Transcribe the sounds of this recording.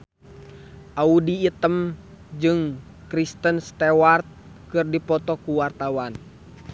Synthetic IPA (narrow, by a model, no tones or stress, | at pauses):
ʔaudiːt̪əm | d͡ʒɨŋ | kɾist̪ənst̪ɛwart̪̚ | kɨrdipɔt̪ɔkuwart̪awan